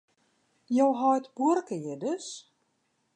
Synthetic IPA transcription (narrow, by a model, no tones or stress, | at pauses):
jowɦɔjtb̥uərkəjɪdəs